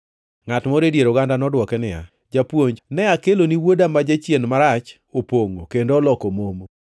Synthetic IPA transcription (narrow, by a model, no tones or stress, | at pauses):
ŋatmoɾedjeɾoɡandanɔdwɔkɛnɪja̰ | d͡ʒapwoɲd͡ʒnɛakeloniwodamad͡ʒat͡ʃjenmaɾat͡ʃ | opoŋokendoːlɔkomomo